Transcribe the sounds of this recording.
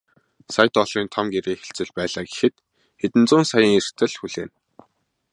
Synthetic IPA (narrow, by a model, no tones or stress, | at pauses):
saj̆t̪ɔɮriːnt̪ʰamɡeɾeːxĕɬt͡sɘ̆ɮpæːɮaːɡe̥xɘ̆t̪ | xet̪ɘ̆nt͡sʊːnsajəːŋer̥t̪ʰɘ̆ɮxuɮeːn